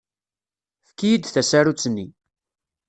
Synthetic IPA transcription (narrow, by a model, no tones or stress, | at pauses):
fkːijid̪θæsæɾut͡sːnːi